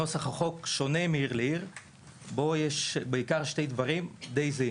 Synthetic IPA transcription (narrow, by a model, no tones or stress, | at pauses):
osaχaχo̞kʃo̞nemeiʁleiʁ | bojeʃbeikaʁʃtejd̪vaʁimd̪ejzi